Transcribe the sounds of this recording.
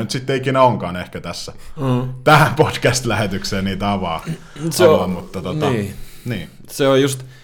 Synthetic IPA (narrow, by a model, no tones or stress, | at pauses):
nyt̪sit̪ːeikinæoŋkɑːnehkæt̪æsːæt̪æhæmpod̥kæst̪læhet̪ykseːniːt̪ɑʋɑː | ɑʋɑmut̪ːɑt̪ot̪ɑːniː | seojjust̪